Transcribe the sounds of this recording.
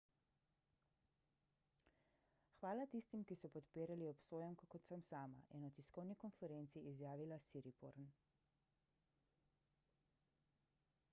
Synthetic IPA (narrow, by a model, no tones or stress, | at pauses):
xʋaːlat̪ist̪imkisɔpɔt̪piːɾaliɔpsoːjɛmkɔkɔt̪səmsaːma̰jʔɛnɔt̪iskɔwnikɔnfɛɾent̪siʔizjaːʋilasiɾipo̰ɾn